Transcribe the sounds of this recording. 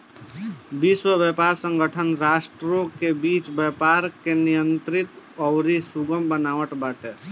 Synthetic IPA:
biswəʋɛpaːɾsə̃ŋɡəʈʰənɾaːʃʈɾõkebiːt͡ʃbɛpaːɾkenijə̃nt̪ɾɪt̪ | ɔɾisuɡəmbənaːʋəʈbaːʈe

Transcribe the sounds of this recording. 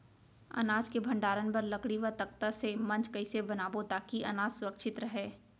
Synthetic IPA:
ɐ̰naːd͡ʒkebʱɐ̃ɳɖaːɾənpɐɾlɐkɽiʋət̪ɐkt̪əsemɐ̃nt͡ʃkɐɪsebɐnaːbot̪aːkiʔɐ̰naːd͡ʒsʊɾəkʃɪt̪ɾɐɦeː

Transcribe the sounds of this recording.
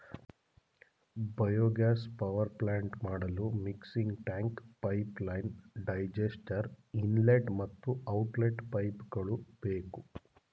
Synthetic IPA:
bɐjoːɡaːspɐʋɐɾplaːɳʈmaːɽɐlumiksiŋɡʈaːŋkpɐjplɐjnɖɐjd͡ʒesʈɐɾinleʈmɐt̪ːuɐwʈleʈpɐjpɡɐɭubeːku

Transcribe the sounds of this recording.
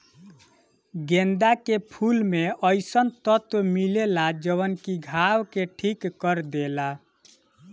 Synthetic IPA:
ɡend̪akepʰulmeəjsənt̪ət̪wmilelad͡ʒəβənkiɡʱawkeʈʰikːəɾd̪ela

